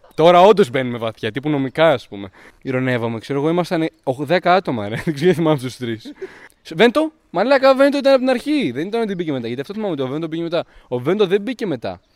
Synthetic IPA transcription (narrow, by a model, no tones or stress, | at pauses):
t̪o̞ɾɐo̞nd̪o̞zbe̞nume̞vɐθçɐt̪ipuno̞mikɐɐspume̞ | iɾo̞ne̞vomekse̞ɾoɣo̞imɐst̪ɐneoxðe̞kɐɐt̪o̞mɐneikseeθimɐmet̪ust̪ɾis | ve̞nt̪o̞ | mɐlɐkɐvent̪oit̪ɐnɐpot̪inɐɾçiðe̞nit̪ɐnt̪ibiceme̞t̪ɐʝɐt̪iɐft̪oθimɐmeovend̪obicemet̪ɐovend̪oðebice̞me̞t̪ɐ̰